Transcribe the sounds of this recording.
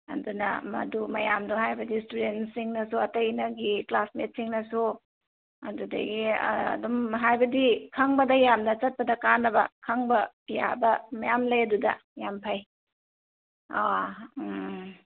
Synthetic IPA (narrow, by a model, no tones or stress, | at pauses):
ɐ̰dunɐ̰mɐ̰dumɐjamduhajbɐdistudensiŋnɐsuɐtɐjnɐɡiklasmet̚siŋnɐsu | ɐ̰dudɐ̰ɡḭdumɦajbɐdikʰaŋbɐdɐjamnɐt͡ʃɐt̚pɐdɐkanːɐbɐ̰kʰaŋbɐ | ja̰bɐmɐjamlɐjɐdudɐ̰jampʰaj | a